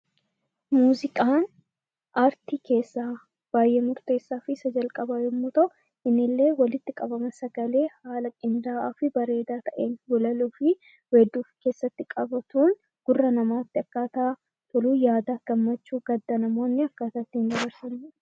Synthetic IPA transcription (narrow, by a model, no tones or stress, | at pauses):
muːzɪkʼaːn | ʔaːɾt̪iːke̞ːsːaː | b̥aːjːemʊɾt̪e̞ːsːaːfɪsɐd͡ʒɐlkʼɐbajɛmːuːt̪ɐʔʊ | ʔɪnːɪlːe̞ːwɐlɪt̪ːɪkʼɐbɐmɐsɐɡɐle̞ːhaːlɐkʼɪnd̪aːaːfɪbɐɾe̞ːd̪aːt̪ɐʔeːnɡʊlɐluːfɪ | wed̪ːuːfke̞ːsːɐt̪ːɪkʼɐbɐt̪uːn | ɡ̥ʊrːɐnɐmaːt̪ːɪɐkːaːt̪ɐː | t̪ʊluːjaːd̪aːɡ̥ɐmːɐt͡ʃːuːɡɐd̪ːɐnɐmo̞ːnːɪɐkːaːt̪ɐt̪ːind̪ɐβɐɾsɐn